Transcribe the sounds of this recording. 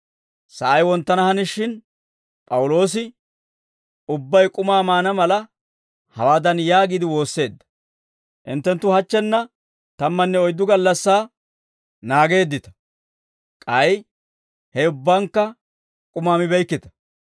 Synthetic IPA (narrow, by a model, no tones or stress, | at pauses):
sɐʔɐjwɔnt̪ːɐnɐhɐnɪʃɪn | pʼɐwʊlo̞ːs̬ɪ | ʊbːɐjkʼʊmaːmaːnɐmɐlɐ | hɐwaːd̪ɐnjaːɡɪd̪ɪwo̞ːsːe̞ːd̪ːɐ̥ | ʔɪ̰nt̪ːɛnt̪ːʊhɐt͡ʃːɛnːɐ | t̪ɐmːɐnːɛɔjd̪ːʊɡɐlːɐsːaː | naːɡe̞ːd̪ːɪt̪ɐ̥ | kʼɐj | hɛʊbːɐŋkːɐ | kʼʊmaːmɪbɛjkːɪt̪ɐ̥